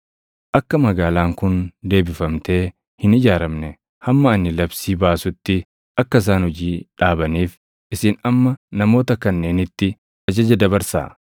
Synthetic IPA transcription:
ʔɐkːɐmɐɡaːlaːŋkʊnd̪e̞ːbɪfɐmt̪e̞ː | hɪnɪd͡ʒaːɾɐmnɛ | hɐmːɐɐnːɪlɐbsiːbaːsʊt̪ːɪ | ʔɐkːɐɪs̬aːnhɔd͡ʒiːᶑaːbɐniːf | ʔɪsɪnɐmːɐnɐmo̞ːt̪ɐkɐnːe̞ːnɪt̪ːɪ | ʔɐd͡ʒɐd͡ʒɐd̪ɐbɐɾsa̰ː

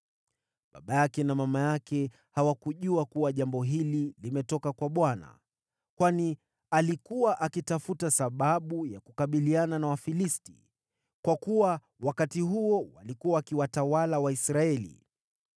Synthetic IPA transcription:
ɓa̰ɓajakɛnamamajakɛ | hawakuʄuakuwaʄambɔɦililimɛtɔkakwaɓwana̰ | kwani | alikuwaʔakitafutasaɓaɓujakukaɓiliananawafilisti̥̰ | kwakuwa | wakatiɦuɔwa̰likuwaːkiwatawalawaisɾaɛlḭ

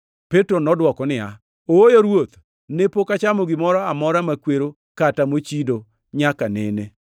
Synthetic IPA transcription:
petɾonɔdwɔkɔnɪa | oojoɾwot̪ | nepokat͡ʃamɔɡɪmɔɾɔamɔɾamakweɾo | katamot͡ʃido | ɲakanḛne

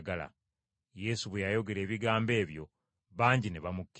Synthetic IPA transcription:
ɡala̰ | je̞suβwejajo̞ɡe̞ɾe̞ːβiɡaːmbe̞ːβjo̞̰ | βaːɲɟineβamukː

